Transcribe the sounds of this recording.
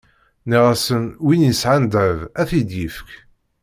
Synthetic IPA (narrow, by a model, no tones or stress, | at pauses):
niʁæsənwinjəsʕand̪ævæθid̪jifk